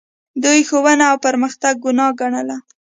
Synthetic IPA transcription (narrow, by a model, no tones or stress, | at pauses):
d̪ujxowənaːwpəɾməxt̪aɡ̚ːʊnɑɡaɳəla